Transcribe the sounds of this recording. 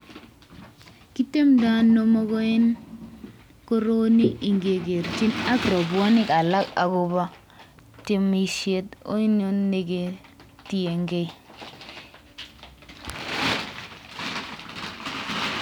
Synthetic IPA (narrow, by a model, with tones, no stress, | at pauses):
ki˦te˦mda˦nːo˦mo˦ɡo˦e˦n | ko˦ɾo˦ni˦i˨ŋɡe˨ɡe˨ɾt͡ʃi˦na˦kɾo˨bwa˦nɪ˦ka˨la˦ka̰˨ɡo˨ba˦ | tɪ˦mi˨ʃe˦to̰˦i˦no˦nːe˦ɡe˨ | ti˦je˨ŋɡe˦i˨